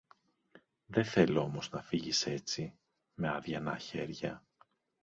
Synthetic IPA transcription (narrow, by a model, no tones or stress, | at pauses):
ðe̞θe̞loo̞mo̞znɐfiʝise̞t͡si | me̞ɐðʝɐnɐçe̞ɾʝɐ